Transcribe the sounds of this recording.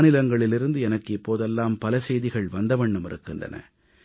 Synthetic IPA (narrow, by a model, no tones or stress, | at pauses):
nɪlɐŋɡɐɭɪlɪɾɯnd̪ɯɛnɐkːɪpːoːðɛlːaːmpɐlɐsɛjðɪɣɐɭʋɐnd̪ɐʋɐɳːɯmɪɾɯkːɪndrɐ̰nɐ̰